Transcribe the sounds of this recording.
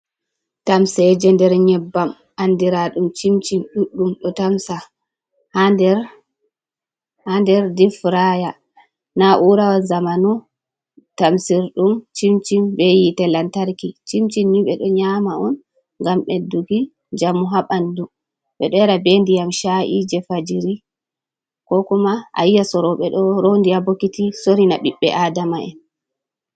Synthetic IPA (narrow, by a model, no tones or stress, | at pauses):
tamsɛd͡ʒɛndɛɾɲɛbːam | ʔandiɾaɗumt͡ʃimt͡ʃinɗuɗːumɗɔtamsa | hadɛɾ | handɛɾdifɾaja | naʔuɾawazamanu | tamsiɾɗumt͡ʃimt͡ʃimbɛjitɛlantaɾkit͡ʃimt͡ʃinːiɓɛɗɔɲamaɔn | ŋɡamɓɛduɡi | d͡ʒamːuɦaɓandu | ɓɛɗɔɛɾabendijamʃaʔid͡ʒɛfad͡ʒiɾi | kɔkɔmaʔa̰jːasɔɾɔɓɛɗɔɾondiabokitisoɾinaɓiɓːɛ̰ʔaːdamaɛ̰n